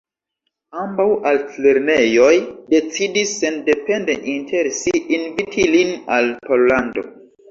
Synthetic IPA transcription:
ambawalt͡sleɾnejo̞jde̞t͡sidisːe̞nde̞pe̞ndeʔintʰeɾsiːnvitʰilinalpo̞llando̞̰

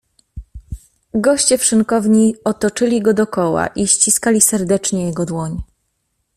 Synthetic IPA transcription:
ɡɔɕt͡ɕɛpʂɘŋkɔvɲiɔt̪ɔt͡ʂɘlʲiɡɔd̪ɔkɔwa̰ʔiɕt͡ɕiskalʲisɛɾd̪ɛt͡ʂɲɛjɛɡɔd̪wɔɲ

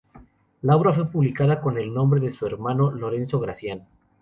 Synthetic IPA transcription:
laoβɾafwe̞puβlikaðako̞ne̞lnõmbɾe̞ðesue̞ɾmano̞lo̞ɾe̞nso̞ɣɾasjano

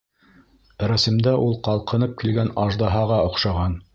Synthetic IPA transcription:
ɾæsɘ̆md̪æʔulˠqɑlˠqɤ̆nɤp̚kilɡænɑʒd̪ɑɦɑʁɑŏqʃɑʁɑn

